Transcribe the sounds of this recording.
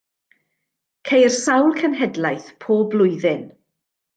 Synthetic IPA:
kʰejrsawlˠkʰənɦɛdlajθpʰoːblˠʊɨðɪn

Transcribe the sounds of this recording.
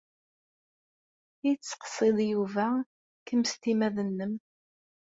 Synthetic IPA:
it͡sːqə̥sˤeðˤjuvæ | kəmst̪imæðənːəm

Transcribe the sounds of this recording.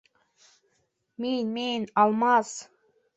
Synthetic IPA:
minmenɑlˠmɑs

